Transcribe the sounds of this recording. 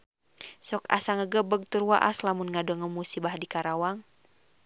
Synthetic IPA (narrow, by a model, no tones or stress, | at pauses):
sɔka̰saŋəɡəbəɡ̚t̪uɾuwa̰ʔa̰slamunŋadɔŋəmusibahdikaɾawaŋ